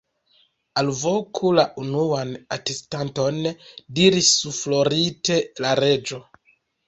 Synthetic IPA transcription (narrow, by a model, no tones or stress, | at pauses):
alvokʰulaʔunuanatestanto̞ndiɾisuflo̞ɾite̞laɾe̞d͡ʒo̞